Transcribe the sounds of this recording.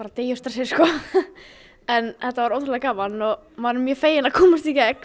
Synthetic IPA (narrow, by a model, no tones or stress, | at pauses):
aɾat̪eːjʏst̪ɛ̥sɪskɔ | ɛnθɛht̪avaɾoːwt̪ɾlɛkaːmanːɔɣ | maɾʏmːjœfeːjɪnakʰɔːmʏst̪ikcɛk